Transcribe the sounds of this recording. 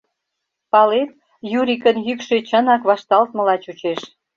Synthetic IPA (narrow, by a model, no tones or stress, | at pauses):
pɑlet̪̚ | juɾikənjykʃet͡ɕənɑkβɑʃt̪ɑlt̪̚mə̆lɑt͡ɕut͡ɕeʃ